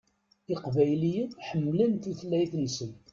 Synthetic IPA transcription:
ɪqvæjlijiðħəmːlænθuθəlːæjθnisən

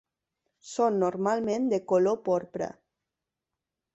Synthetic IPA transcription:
sonːoɾmalmẽnd̪ekolopoɾpɾa̰

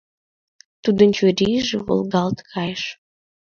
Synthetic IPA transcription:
t̪ud̪ənt͡ɕøɾʲiʒeβo̰lɣɑlt̪kʰɑjəʃ

